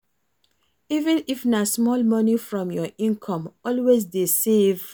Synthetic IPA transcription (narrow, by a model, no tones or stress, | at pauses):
ivɛ̃nifnasmɔlmɔnifɹɔ̃mjɔʔĩnkʰɔ̃mɔlwezdesev